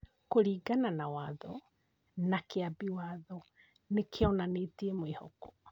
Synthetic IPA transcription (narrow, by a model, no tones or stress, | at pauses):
koɾiːɡananawaðɔ | nakeabiwaðɔ | nekʰeɔnanetiemoiho̰ko̥